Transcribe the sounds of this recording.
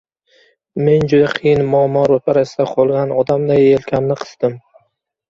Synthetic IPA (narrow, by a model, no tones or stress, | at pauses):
me̞nd͡ʒʊd̪aqʰijɪnmɒmɒɾopʰaɾasɪd̪aqʰolˠɡʲanʔɒd̪amd̪ajelkʲʰamnɪqʰɨ̥z̥d̪̥ɪm